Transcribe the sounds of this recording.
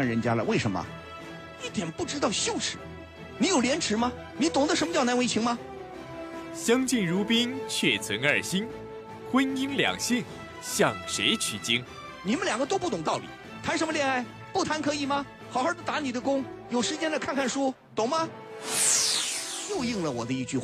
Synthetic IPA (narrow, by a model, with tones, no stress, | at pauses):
a˥˩nɻə˧˥nt͡ɕja˥lə̰˨we˥˩ɪʂə˧˥mə̰˩ | i˥˩t̪jɛ˨˩npu˥˩ʈ͡ʂɻ̩˥t̪ɑ˥˧ʊɕjo˥˧ʊʂɻ̩˧˥˦ | ni˧˥jo˨˩ʊljɛ˧˥nʈ͡ʂʰɻ̩˧˥mɐ˧ | ni˧˥t̪ʊ˨˩ŋd̪ə˦ʂə˧˥mə˧t͡ɕɑ˥˩ʊna˧˥nwe˥ɪt͡ɕʰi˧˥ŋmɐ˧ | ɕjɑ˥ŋt͡ɕi˥˩ŋɻu˧˥pi˥ŋt͡ɕʰɥɛ˥˩t͡sʰə˧˥ŋə̰˞˥˩ɕi˥n | xwə˥ni˥nljɑ̰˨˩ŋɕi˥˩ŋ | ɕjɑ˥˩ŋʂe˧˥ɪt͡ɕʰy˥˩t͡ɕi˥ŋ | ni˨˩mə˦nljɑ˨˩ŋɡə˦t̪o˥ʊpu˥˩t̪ʊ˨˩ŋt̪ɑ˥˩ʊlḭ˨˩˦ | t̪ʰa˧˥nʂə˧˥nmə˧ljɛ˥˧a˥˩ɪ | pu˥˩t̪ʰa˧˥nkʰɤ˧˥i˧˥˩mɐ˧ | xɑ˨˩ʊxa˞˥˩t̪o˥˩t̪a˧˥ni˨˩d̪ə˦kʊ˥ŋjo˨˩ʊʂɻ̩˧˥t͡ɕjɛ˥nlə˧kʰa˥˧nkʰa˥˩nʂɔ˥ | t̪ʊ˨˩ŋmɐ˧ | ɕjo˥˧ʊji˥˧ŋlə˨wɔ̰˨˩d̪ə˦i˥˧t͡ɕy˥˧˩